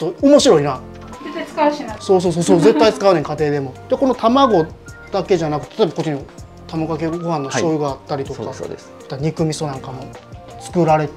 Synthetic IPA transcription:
oomo̞ɕiɾo̞ina | et̪ːat͡skaso̞ːs̬oːs̬oːsoːze̞t̪ːait͡sɨ̥kaɯneɲikat̪e̞ːd̪e̞mo̞d̪̥eko̞no̞t̪ʰamaɡo̞ | d̪̥ake̞ʑanakɯ̟t̪ːet̪ʰt̪obakot͡ɕːiɲnio | t̪amaɡakeɡo̞hãnːoɕo̞ːjɯɡaːt̪ːaɾʲit̪o̞ka̰d̪s | t̪aɲ̟ikɯ̟mʲiso̞nãŋkamo | t͡sɨ̥kɯ̟ɾaɾe̞

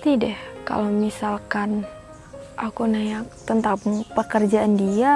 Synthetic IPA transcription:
t̪idɛhka̰lomisalkan | ʔakunajak̚t̪ənt̪apŋpəkərd͡ʒaʔandia

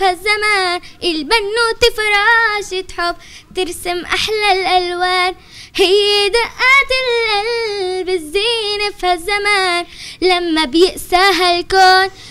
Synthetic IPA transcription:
hazːamaːnʔɪlbanːut̪ɪfɾˤɑːʃɪt̪ħʊb | t̪ɪɾsɪmʔaħlalʔalwaːn | hɪjːd̪aʔaːt̪ɪlʔalbɪzːiːnafhazːamaːnlamːabjɪʔsaːɦalkoːn

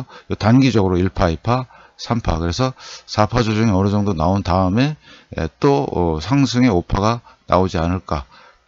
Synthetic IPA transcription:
jotanɡid͡ʑʌɡɯɾoiɭpʰaipʰa | sʰampʰa̰kɯɾe̞sʰʌsʰapʰad͡ʑod͡ʑuŋeʌɾɯd͡ʑʌŋdonaontaɯme̞ḛt͈oʌ̰sʰaŋsʰɯŋe̞opʰaɡana̰od͡ʑianɯɭk͈a

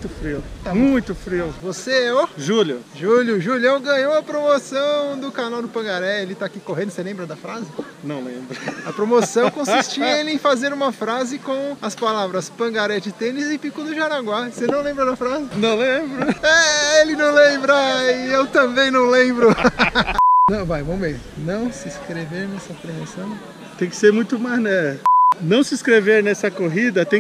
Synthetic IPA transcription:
t̪ʊfɾiʊamũj̃t̪ʊfɾiʊvoseɛoʒuljʊ̰ʒuljʊʒuljɐ̃w̃ɡɐ̃ɲowɐpɾomosɐ̃w̃d̪ʊkanawd̪ʊpɐ̃ɡaɾɛelɪt̪akikoẽnd̪ʊselẽbɾɐd̪ɐfɾazɪ | nɐ̃w̃lḛ̃bɾɐɐpɾomosɐ̃w̃kõsist͡ʃielɪẽj̃fazeɾũmɐfɾazɪkõɐspalavɾɐspɐ̃ɡaɾɛt͡ʃɪt̪ẽnɪzɪpikʊd̪ʊʒaɾaɡwasenɐ̃w̃lẽmbɾɐd̪ɐfɾazɪnɐ̃w̃lẽbɾʊɛelɪnɐ̃w̃lẽbɾaɪewt̪ɐ̃bẽj̃nɐ̃w̃lẽbɾʊ | nɐ̃w̃vajvɐ̃w̃enɐ̃w̃sɪskɾeveɾnɛsɐpɾomosɐ̃w̃ | t̪ẽj̃kɪ̥seɾmũj̃t̪ʊmaznɛnɐ̃w̃sɪskɾeveɾnɛsɐkoɦid̪ɐt̪ẽ

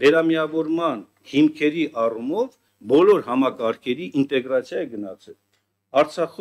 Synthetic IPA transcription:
vɛɾɑmijɑvɔɾmɑn | himkʰɛɾiʔɑrumɔv | bɔlɔɾhɑmɑkɑɾkʰɛɾiʔint̪ɛɡrɑt͡sʰjɑjɛɡənɑt͡sʰɛl | ɑɾt͡sʰɑχ

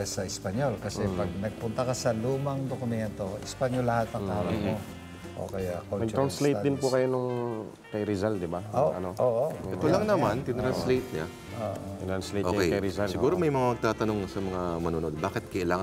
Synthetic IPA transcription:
sɐʔɪspɐɲolkɐsɛpɐɡ̚nɐɡ̚pʊnt̪ɐkɐsɐluːmɐŋd̪okʊmɛnt̪o̞ʔɪspaɲolːɐhat̪ːɐŋʔaːɾɐmo | ʔo̰kɐjakonɐɡ̪ɾanslejt̪d̪ɪnpʊkɐjonʊŋ | kɐjɾɪzald̪ɪbaoːʔɐnoʔoːʔoɛt̪olɐŋnɐmant̪ɪt̪ɾanslejt̪̚ɲa | ʔoʔoɪɾanslejʔokɛjkɐjɾɪzalsɪɡuːɾomɐjmɐŋamɐɡ̚t̪aːt̪ɐno̞ŋsɐmɐŋamɐnuno̞d̪̚baːkɪt̪̚kɐʔɪlaːŋ

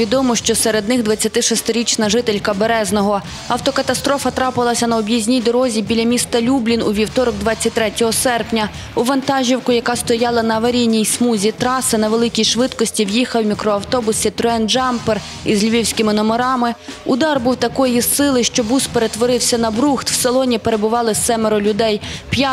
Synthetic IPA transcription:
ʋʲid̪ɔmɔʃt͡ʃɔseɾe̞d̪nɪɣd̪ʋɐt͡sʲːɐt̪ɪʃɔst̪ɪɾʲit͡ʃnɐʒɪt̪elʲkɐbeɾɛznɔɦɔ | ɐwt̪ɔkɐt̪ɐst̪ɾɔfɐt̪ɾɑpɪlˠɐsʲɐnɐɔbʲjizʲnʲijd̪ɔɾɔzʲibʲilʲɐmʲist̪ɐlʲublʲinuʋʲiwt̪ɔɾɔɡd̪ʋɑt͡sʲːɐt̚ʲt̪ːɾɛtʲɔɦɔsɛrpnʲɐ | uʋɐnt̪ɑʒʲiwkʊjɐkɑst̪ɔjɑlˠɐnɐɐʋɐɾʲinʲːijsmuzʲit̪ɾɑsɪnɐʋelˠɪkʲijʃʋɪt̪kɔsʲtʲiwjixɐwmʲikɾɔɐwt̪ɔbʊsʲit̪ɾɔɛnd͡ʒɑmper | izlʲiʋʲiwsʲkɪmɪnɔmeɾɑmɪ | ʊd̪ɑrbuwt̪ɐkɔjissɪlˠɪʃt͡ʃɔbuspe̞ɾe̞t̪ʋɔɾɪwsʲɐnɐbɾuxt̪w̥selˠɔnʲipeɾe̞bʊʋɑlˠɪsɛmeɾɔlʲʊd̪ɛjpja

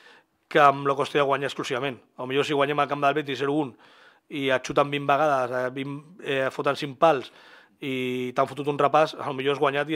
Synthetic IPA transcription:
kəːmlokost̪iðəɣwaɲaəsklusiβamẽn | alumiʎosiɣwaɲɛmalkamd̪əlβɛt̪̬isɛɾuun | iat͡ʃut̪ambimbəɣaðəsβimefot̪ansimpals | it̪aɱfut̪ut̪unrəpasa̰lumiʎoazɣwaɲat̪i

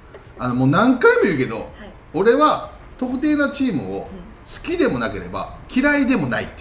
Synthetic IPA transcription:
ano̞mo̞ːnãŋkaimɯɯ̟ke̞d̪o̞̰ | oɾe̞βa | t̪o̞kɯ̟t̪e̞ːnat͡ɕiːmɯ̟o̞ | sɨ̥kʲid̪e̞mo̞nake̞ɾe̞ba̰kʲiɾaid̪e̞mo̞naḭt̪ːe

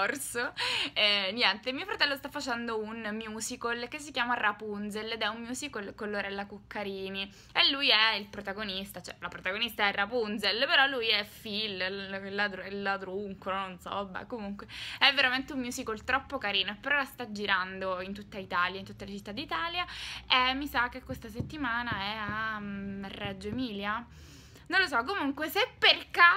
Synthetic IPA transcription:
rsoɛnjɛnt̪emiofɾat̪ɛlːost̪afːat͡ʃɛnd̪ounmjuːsikolkesːikjaːmarapunzeled̪ɛummjuːsikolkolːoɾɛlːakukːaɾiːni | elːujɛilpɾot̪aɡonist̪at͡ʃɛ̰lapɾot̪aɡonist̪aɛrapunzelpeɾɔlːujɛfillad̪ɾlːad̪ɾuŋkononsɔ̰bɛ̰komuŋkweɛvːeɾament̪eummjusikolt̪ɾɔpːokaɾiːnoepːeɾɔlast̪ad͡ʒiɾand̪oint̪ut̪ːait̪aljaint̪u̥t̪ːelet͡ʃit̪ːad̪it̪aːljaemːisak̟ːekːwest̪aset̪ːimaːnaɛamɛrːɛd͡ʒːoemiːlja | nõnlos̬ɔkːomuŋkwesepːerke

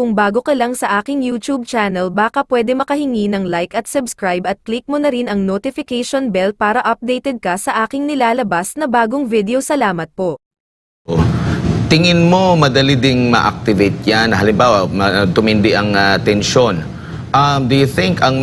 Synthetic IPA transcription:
kʊŋbaːɡo̞kɐlaŋsɐʔaːkɪŋjuːt̪ub̚t͡ʃaːnɛlbaːkɐpwɛːd̪ɛmɐkɐhɪŋinɐŋlajkɐt̪sɐbskɹajbɐt̪̚klik̚monɐɾɪnɐŋnot̪ɪfɪkɛjʃonbɛlpaːɾɐʔɐp̚d̪ejt̪ɛd̪̚kɐsɐʔaːkɪŋnɪlaːlɐbasnɐbaːɡoŋvid̪ɛosɐlaːmɐt̪̚po̞ʔ | t̪ɪŋɪnmo̞mɐd̪ɐlid̪ɪŋmɐ̰ʔɐ̰k̚t̪ɪvejt̪̚janːɐɦɐlɪmbaːwɐmɐt̪ʊmɪnd̪ɪʔɐŋat̪ɛnʃo̞n | ʔɐmd̪ujʊθɪŋkɐŋ

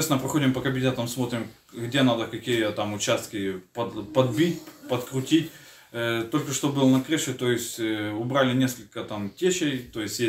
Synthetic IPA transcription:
esʲnəpɾɐxo̞dʲɪmpəkɐbʲɪnʲet̪əmsmo̞t̪ɾʲɪm | ɡdʲe̞nad̪əkɐkʲijət̪amʊt͡ɕast̪kʲɪpɐpɐd̪bʲitʲpət̪kɾʊtʲitʲ | t̪o̞lʲkəʂt̪o̞bɨlˠnɐkɾɨʂɨt̪o̞jɪsʲtʲʊbɾalʲɪnʲe̞skəlʲkət̪amtʲeɕejt̪o̞jɪsʲtʲje

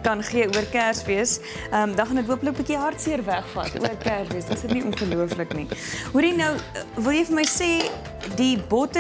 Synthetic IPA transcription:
kɐnχiəuərkæːrsviəs | əmdɑχɐnətɦuəpələk̚bikiɦɐrtsiərvæχfɐ̰tṵərkæːrsviəsdəsətniʔɔnχəluəfləkniɦuɾinəwvəlˠjəjfəməjseː | dibɔtə

